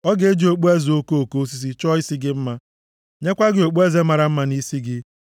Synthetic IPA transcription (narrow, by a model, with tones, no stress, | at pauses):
ɔ˦ɡe˦d͡ʒi˨o˨k͡pu˦e˦zo˦ko˦o˨ko˦s̬i˦s̬i˦t͡ʃɔ˦i˦si˦ɡɪ˦m̩˦ma˦ | ɲe˦kʷa˦ɡɪ˨o˨k͡pu˦e˦ze˦ma˨ɾa˨m̩˦ma˦ni˦si˦ɡɪ˦